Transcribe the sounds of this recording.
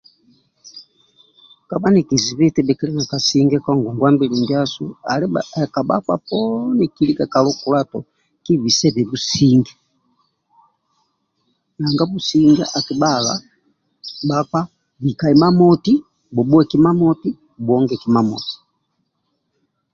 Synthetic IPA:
ka˨ba˦nɛki˨zi˨βi˦tɛbɛ˨ki˦lɛ˦na˨ka˨si˦ŋɡɛ˦kɔ˦ŋɡu˨ŋɡwa˦mbi˨limbjasṵa˨lɛka˨ba̰˦ka̰˦pɔnɛ˨kili˦ka˨ka˨lɔ˦ku˨la˦tɔ˨ | ki˦βi˨sɛ˦βɛ˨bu˦si˦ŋɡɛ˦ | na˨ŋɡa˦bu˨siŋɡɛ̰˦ʔaki˨ba˦ɣa̰˨ | bakwa˦ | bi˨ka˨i˨ma˦mɔ˦ti˦ | bɔ˨bu˦ɛkima˦mɔ˦ti˦ | bu˨ɔŋɡɛ˨ki˨mamɔ̰ti̥

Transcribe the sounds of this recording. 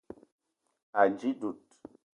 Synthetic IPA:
a˨nd͡ʒi˦du˨t̚

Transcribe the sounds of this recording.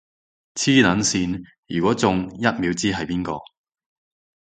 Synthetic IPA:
t͡sʰiː˥nɐ˨˥nsiː˧n | jyː˨˩kʷɔː˨˥t͡sʊ˨ŋjɐ˥t̚miː˨˥wt͡siː˥ɦɐ˨jpiː˥nkɔː˧

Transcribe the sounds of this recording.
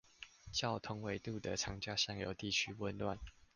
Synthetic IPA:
t͡ɕjɑ˥˩ʊt̪ʰʊ˦ŋwe˨˦ɪt̪u˥˨d̪ə˨ʈ͡ʂʰɑ˨˥ŋt͡ɕja˥˧ɕjɑ˥˩ŋjo˨˩ʊt̪i˥˨t͡ɕʰy˦wə˥˧nlwa˥˨n

